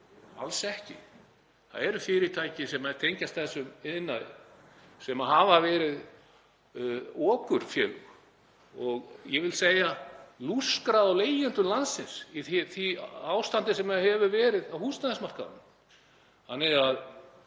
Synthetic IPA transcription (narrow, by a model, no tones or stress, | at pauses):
a̰lsɛhcɪ̰ | θa̰ðɛɾʏfɪɾɪt̪ʰaːjcɪsɛmat̪ʰejɲcast̪θɛsːʏmɪðnːaðɪ̰ | sɛmaɦaːvavɛːɾɪð | ɔːkʏɾ̥fjɛːl | ɔɣjɛvɪlsejaluskɾaðawleːjʏnt̪ʏlansɪnsiθθiaːwst̪ant̪ɪsɛmahɛvʏvɛːɾɪðawhuːst̪aðɪnsmar̥ka̰nʏm | hanːɛað